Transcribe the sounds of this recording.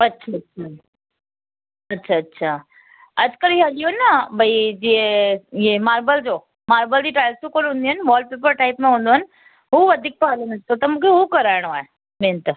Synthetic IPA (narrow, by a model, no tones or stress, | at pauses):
ɐtːɕʰaɐtːɕʰa | ɐtːɕʰaɐtːɕʰaː | ɐd͡ʑkəlialijoɦnɐbʱɐid͡ʑiẽemaːɾbəld͡ʑoː | maːɾbəld͡ʑiːʈaːjəlsukoːnɦũːnd̪iɦənɪ̆ʋaːlɖ̚peːp̬əɾʈaːɪpmẽɦũːnd̪oɦɐnɪ̆ | ɦuːʋɐd̪ʱik̚paɦalənəd͡ʑʰt̪ʰot̪ɐmũːkʰeɦukɐɾaːɪɽ̃oaːɦe | mẽːnt̪